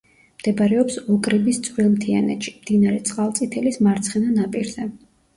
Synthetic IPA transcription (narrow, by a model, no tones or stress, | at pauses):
md̪̥ɛbɾɛɔpsɔkʼɾibist̪sʼvwilˠmt̪ʰia̰nɛ̰t̪ʃi̥md̪̥inaɾɛt̪sʼqʼalˠt̪sʼit̪ʰɛlismaɾt̪sʰχɛnanapʼiɾzɛ